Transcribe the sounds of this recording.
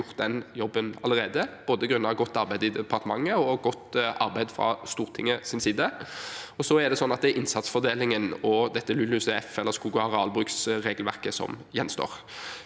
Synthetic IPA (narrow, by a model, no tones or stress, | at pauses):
ʊʁt̪̚d̪ɛnjɔbːənɑləʁeːd̪əb̥oːd̪əɡɾʉnːɑʋɡɔt̪ːɑɾbæɪd̪əɪd̪ɛpʰɑʁt̪əmɑŋːəɔɡɔt̪ːʔɑɾbæɪd̪fɾɑ̰st̪uːʁt̪ʰɪŋːəsɪnsiːd̪əɔsɔæd̪ɛsɔnːɑt̪d̪ɛæʔɪnsɑt̪sfɔʁd̪eːlɪŋənɔd̪ɛt̪ːəlʉlʉsəɛfɛlːəʁskuːɡɑʁɑːlbʁʉːksʁeːɡəlʋæʁkəsɔ̰mjɛnːst̪o̰ːʁ